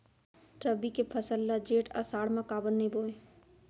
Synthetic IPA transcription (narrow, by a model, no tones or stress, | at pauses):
ʈɾəbikepʰəsəlːad͡ʒeːʈa̰saːɽmãkaːbənnəĩboːẽ